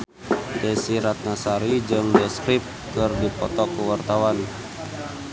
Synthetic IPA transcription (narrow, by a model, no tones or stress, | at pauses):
dɛsiɾat̪̚nasaɾid͡ʒɨŋdɛskɾip̚ | kɨrdipɔt̪ɔkuwart̪awan